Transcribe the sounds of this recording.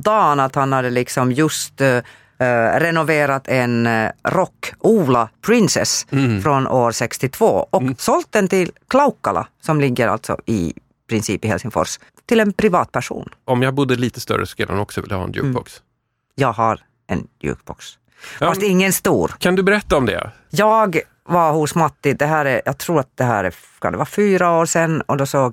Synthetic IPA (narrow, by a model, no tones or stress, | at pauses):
d̪ɑːnat̪hanhad̪ːəlɪksɔmjɵst̪ | ɾɛnʊveːɾat̪ʰɛnɾɔkːuːlapʰɾɪnsɛ̰sfɾɔnʔoːɾʂɛkst̪ɪt̪ʰvo̰ːɔksɔlt̪̚d̪ɛnt̪ɪlkʰlaʊkːala̰sɔmlɪɡːəɾa̰lt̪sɔ̰ɪ̰ | pʰɾɪnsiːpɪhɛlsɪŋfɔ̰ʂ | t̪ʰɪlɛnpʰɾɪvɑːt̪̚pʰæʂṵːnɔmjɑːɡbʊd̪ːəliːt̪əst̪œ̰ɾə̰sɔ̥kːaanɔksɔvɪljahɑ̰ːɛnjʉ̰ːbɔks | jɑːɡɦaɾ | ɛ̰njʉ̰ːkb̥ɔks | fast̪ɪŋːənst̪uːɾkʰand̪ɵbɛɾɛt̪ːaɔmd̪ɛ̰ | jɑːɡ | vaɾhʊsmat̪ːɪd̪ɛɦæːɾɛjɑːɡ̚t̪ʰɾuːɾat̪̚d̪̥ɛɦæ̰ːɾɛ̰ | skʰand̪ɛvɑːfyːɾaoːɾsɛnːɔd̪ɔsoːɡ